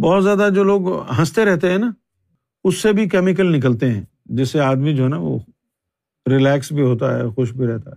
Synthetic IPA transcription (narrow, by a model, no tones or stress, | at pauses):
bɔːt̪zjaːd̪ad͡ʒoːloːɡɦɐ̃st̪eɾɛɦt̪eɦɛ̃ːna | ʊsːebʱikɛːmɪk̬əlnɪk̬əlt̪eɦɛ̰̃ː | d͡ʒɪsːeaːd̪mid͡ʒoːɦɛnaʋo̰ | ɾɪlɛːksbʱiɦoːt̪aɦɛ̰ːxʊʃbʱiɾɛɦt̪aɦɛ